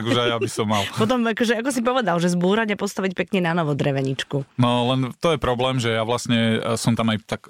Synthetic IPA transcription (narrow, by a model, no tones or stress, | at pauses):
ɡuʒajjabisɔmːalpɔt̪̬ɔmakɔʒɛakɔs̬ipɔʋɛd̪alʒɛzbuːɾaɟapɔst̪aʋicpɛkɲɛnanɔʋɔd̪ɾɛʋɛɲit͡ʃkunɔlɛnt̪ɔjɛpɾɔblɛːmʒɛjaʋlasɲɛsɔmt̪amajt̪ak